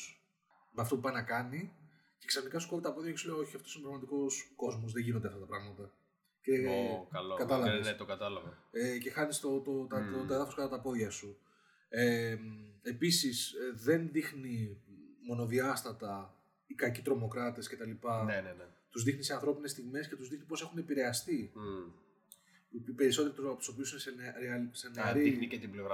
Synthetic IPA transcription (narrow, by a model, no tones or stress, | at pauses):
meɐft̪o̞pupɐinɐkɐni | ce̞ksɐθnikɐsu̥ko̞ɾit̪ɐpoðʝɐcsuleoo̞çiɐft̪osinepɾɐɣmɐt̪iko̞sko̞zmo̞zðeʝinond̪ɐft̪ɐt̪ɐpɾɐɣmɐt̪ɐ | ceɐlkɐt̪ɐlɐveeset̪okɐt̪ɐlɐvɐece̞xɐnist̪ot̪ot̪ɐot̪oeðɐfoskɐt̪ɐt̪ɐpo̞ðʝɐsu | eme̞pisisðe̞nðixnimo̞no̞ðiɐst̪ɐt̪ɐ | ikɐcit̪ɾo̞mo̞kɾɐt̪e̞sce̞t̪ɐlipɐnenent̪uzðixnise̞ɐnθɾo̞pinest̪iɣme̞sce̞t̪uzðixnipo̞se̞xune̞piɾe̞ɐst̪i | ppe̞ɾiso̞t̪eɾit̪uɐpo̥sopisunesenɾeɐse̞neɐɾiixnicet̪ibleoɣɾɐ